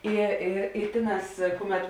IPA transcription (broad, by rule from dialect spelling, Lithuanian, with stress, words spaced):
ˈɪ ɪ ɪ ˈtʲeːˌnɑːs ˈkʊˌmʲɛt